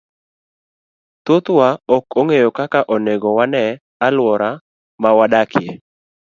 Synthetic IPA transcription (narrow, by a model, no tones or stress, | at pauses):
t̪ot̪waɔkoŋejokakaʔɔneɡɔwanɛ | alwɔɾa | mawadakʰɪe